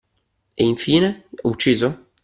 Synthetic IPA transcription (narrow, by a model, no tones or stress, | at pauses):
eiɱfiːneut͡ʃːiːzo